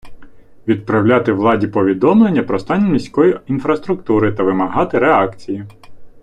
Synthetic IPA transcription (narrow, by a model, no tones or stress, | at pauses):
ʋʲid̪̚pɾɐwlʲat̪ɪʋlˠɑdʲipɔʋʲid̪ɔmlˠe̞nʲːɐpɾɔst̪ɑnʲːɐmʲisʲkɔjiinfɾɐst̪ɾʊkt̪uɾɪt̪ɐʋɪmɐɦɑt̪ɪɾeɑkt͡sʲiji